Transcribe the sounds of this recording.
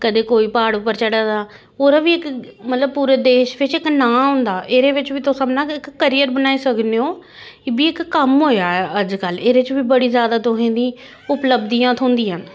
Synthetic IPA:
kəd̪eːkoːiːpaːɽʊpːəɾt͡ʃəɽaːd̪aː | oːɾaːbiːɪkmət̪ləb̚puːɾeːd̪eːʃʋɪt͡ʃɪknãːɦʊ̃nd̪aːʔeːɾeːʋɪt͡ʃʋiːt̪osəmnãːkɪkːəɾijəɾbənaːiːsəkneoː | biːɪkːəmɦoːjaːɛəd͡ʒkəleːɾet͡ʃʋiːbəɽiːzjaːd̪aːt̪ʊɦẽːd̪ĩː | ʊpləbd̪ijãːt̪ʰõːnd̪iːən

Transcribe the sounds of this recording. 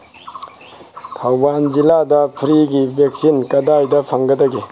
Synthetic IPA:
tʰawbanziladɐpʰɾiɡibek̚sinkɐdajdɐpʰɐŋɡɐdɐɡi

